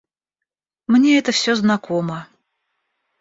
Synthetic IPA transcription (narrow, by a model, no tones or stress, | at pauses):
mnʲeɛt̪əfsʲoznɐkomə